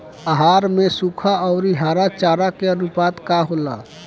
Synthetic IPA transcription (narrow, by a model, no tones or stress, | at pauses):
aɦaːɾmẽsukʰaɔʊɾiɦaːɾat͡ʃaːɾakeənupaːt̪kaɦola̰